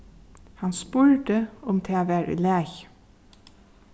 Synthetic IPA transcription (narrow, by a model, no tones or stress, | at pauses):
hɑnspʉɹʈəʊmt̪ʰeːʋeɾʉ̰leːç